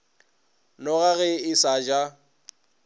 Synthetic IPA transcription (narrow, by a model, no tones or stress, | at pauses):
nɔɣaɣɛɪsad͡ʒa